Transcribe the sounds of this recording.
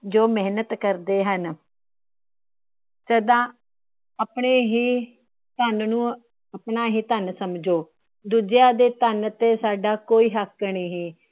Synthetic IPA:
d͡ʒoːmɛɦnət̪kəɾd̪eːɦən | səd̪ãː | apɳeːɦiː | t̪ənnũː | əpnaːɦiːt̪ənsəmd͡ʒoː | d̪uːd͡ʒjaːd̪eːt̪ənt̪eːsaːɖaːkoːiːɦəkːniːɦiː

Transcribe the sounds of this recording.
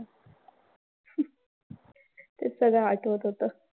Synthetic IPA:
t̪esəɡɭaaʈʋət̪ɦot̪ə

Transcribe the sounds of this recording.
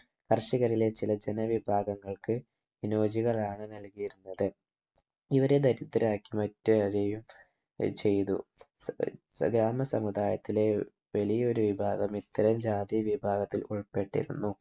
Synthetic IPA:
kɐrɕiɣɐɾile̞t͡ɕilɐd͡ʑe̞nɐʋibʱaːɡɐŋːɐɭkɨ | ʋino̞ːd͡ʑiɣɐɭaːɳɨnɐlkijiɾunːɐðɨ | iʋɐɾe̞d̪ɐɾit̪ːɐɾaːkːimɐtːuɐɾejum | t͡ɕe̞jt̪ṵ | ɡɾaːmɐsɐmud̪aːjɐt̪ːile̞ | ʋɐlijɐo̞ɾuʋibʱaːɡɐmit̪ːɐɾɐmd͡ʑaːd̪iʋibʱaːɡɐt̪ːiluɭpe̞ʈːḭɾṵnːu

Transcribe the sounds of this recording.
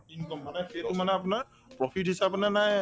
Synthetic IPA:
inkɔmːanɛketʊmanɛap̬unaɹ | pɹɔpʰitisap̬ɔnanaj

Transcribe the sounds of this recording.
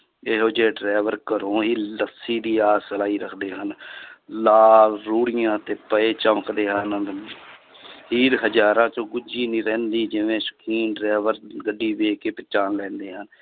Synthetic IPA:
eɦoːd͡ʒeːɖɾɛːʋəɾkəɾõːɦiːləsiːd̪iːaːsəlaːiːɾəkʰd̪eːɦənlaːlːuːɽɪjãːt̪eːpəeːt͡ʃəməkʰd̪eːɦən | ɦiːɾɦəd͡ʒaːɾãːt͡ʃõːɡʊd͡ʒiːniːɾɛ̃ːnd̪iːd͡ʒɪʋẽːsə̥kʰiːnɖɾɛːʋəɾɡəɖːiːʋeːkeːpɪt͡ʃaːnlɛ̃ːnd̪eːɦən

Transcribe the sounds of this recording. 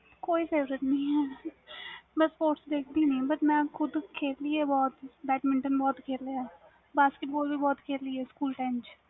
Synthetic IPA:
koːifeːʋɾət̪nĩɦɛː | bɐspoːʈsd̪eːkʰbʱinĩbɐʈmɛ̃ːxʊd̪kʰeːɾliɛbɔːt̪bɛːʈmɪ̃ɳʈənbɔːt̪kʰeːɾleaɛ | baːskeʈ̚boːlbʱibɔːt̪kʰeːɾliɛskuːlʈɛ̃ːnd͡ʒ

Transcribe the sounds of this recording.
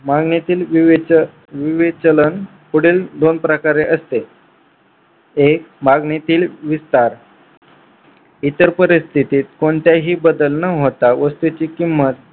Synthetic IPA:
maɡnit̪iːlʋiʋ | ʋiʋet͡ɕələn | puɽeːld̪onpɾəkaɾeʔəst̪e | ek̚maɡnit̪iːlʋist̪aɾ | it̪əɾpəɾist̪ʰit̪iːt̪koɳt̪jaɦiːbəd̪əlnəɦot̪aʋəst̪ut͡ɕiːkimːət̪̚

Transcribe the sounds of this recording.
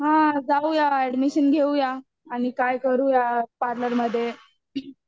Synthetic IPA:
ɦãd͡zaujaɛɖmiɕənɡʱeujaː | ɽ̃ikajkəɾuːjapaɾnəɾməd̪ʱːje

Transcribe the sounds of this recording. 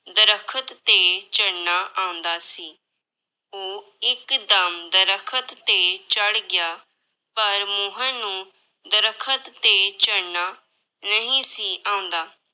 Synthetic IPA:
d̪əɾəkʰət̪ːeːt͡ʃəɽnaːʔãːʊ̃nd̪aːsiː | oː | ɪkd̪əmd̪əɾəkʰət̪ːeːt͡ʃəɽɡɪjaː | pəɾmõːɦãːnũː | d̪əɾəkʰət̪ːeːt͡ʃəɽnaː | nəɦĩːsiːʔãːʊ̃nd̪aː

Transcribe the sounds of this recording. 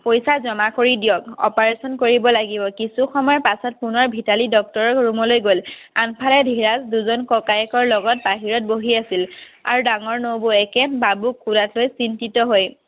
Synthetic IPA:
pojsazɔmakoɹidijɔkɔ̰paɹesɔnkoɹibɔlaɡibɔkisuxɔmɔjɔpasɔt̚punɔɹbʱitalidɔk̚tɔɹɔkɹumɔlojɡolanpʰalɛdʱiɹasduzɔnkɔkajɛkɔɹlɔɡɔt̚baɦiɹɔt̚boɦiasila̰ɹudaŋɔɹnowboɛkɛbabukʰːudatlojsintitɔɦoj

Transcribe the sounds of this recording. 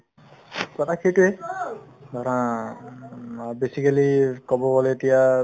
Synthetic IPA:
kɔt̪ʰakʰeʈue | d̪ʱɔɾã | besikalikɔbɔɡɔleetija

